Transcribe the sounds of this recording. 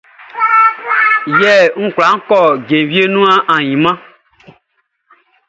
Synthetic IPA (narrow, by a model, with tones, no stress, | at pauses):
jɛ˦˨ŋ̩̃˦kʷla˨˦ŋ̩˦kɔ˦˨ɡẽ˨vi˦e˦nũ˦ã˦ʔã˨jĩ˨mã˦